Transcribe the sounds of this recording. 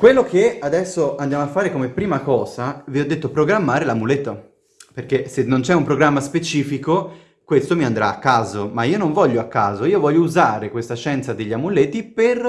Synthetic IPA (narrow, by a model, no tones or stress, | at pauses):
kwelːokead̪ɛsːoand̪jamoafːaːɾekomepːɾiːmakɔːzaviɔd̪ːet̪ːopɾoɡɾamːaːɾelamulet̪ːo | perkesenːont͡ʃɛumpɾoɡɾamːaspet͡ʃiːfiko | kwest̪omiand̪ɾaːkːaːzomaiːonoɱvɔʎːoakːaːzoiːovɔʎːouzaːɾekwest̪aʃɛnt̪sad̪eʎːiamulet̪iper